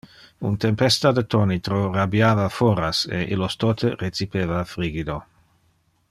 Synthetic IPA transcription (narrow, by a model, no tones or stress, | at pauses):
ṵnt̪empest̪ad̪et̪onit̪ɾorabjaːvafoɾasḛʔḭlost̪ot̪ʰəret͡sipeːvafɾiɡid̪o